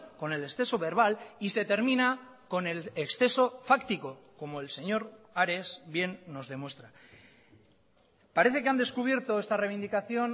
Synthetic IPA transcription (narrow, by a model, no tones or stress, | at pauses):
ko̞ne̞leksθe̞so̞βe̞ɾβ̞alise̞t̪e̞ɾmĩnako̞ne̞leksθe̞so̞fakt̪iko̞ko̞mo̞e̞lse̞ɲo̞ɾaɾe̞sβje̞nːo̞zðe̞mwe̞st̪ɾa | paɾe̞θe̞keand̪e̞skuβ̞je̞ɾt̪o̞e̞st̪arejβind̪ikaθjo̞n